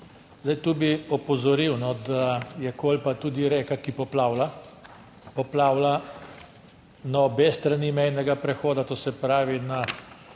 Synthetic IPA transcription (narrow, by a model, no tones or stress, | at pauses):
zd̪ajt̪uːbiɔpɔzɔɾiwnɔd̪ajɛkoːlpat̪uːd̪iɾeːkakipɔplaːwla | pɔplaːwla | nabest̪ɾanimɛjnɛɡapɾɛxoːd̪at̪oːsɛpɾaːʋina